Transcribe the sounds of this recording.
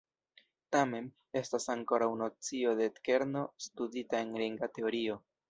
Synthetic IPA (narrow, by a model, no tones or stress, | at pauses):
tame̞n | e̞stasaŋko̞ɾawno̞t͡sio̞de̞tke̞ɾnostuditae̞nɾiŋɡate̞o̞ɾio̞